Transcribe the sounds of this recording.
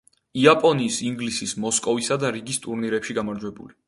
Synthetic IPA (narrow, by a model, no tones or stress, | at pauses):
iapʼɔniːsiŋɡlisismɔskʼɔvisad̪aɾiɡist̪ʼuɾniɾɛpʃiɡamaɾd͡ʒwɛbṵli